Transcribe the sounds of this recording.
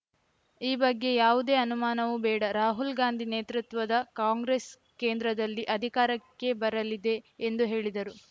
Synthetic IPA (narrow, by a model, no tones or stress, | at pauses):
iːbɐɡːe̞jaːʋud̪eːɐnumaːnɐʋubɛːɽɐɾaːɦulɡaːnd̪ʱineːt̪ɾut̪ʋɐd̪ɐkaːŋɡɾes | keːnd̪ɾɐd̪ɐlːiʔɐd̪ʱikaːɾɐkːe̞bɐɾɐlid̪e̞ːnd̪uɦe̞ːɭid̪ɐɾu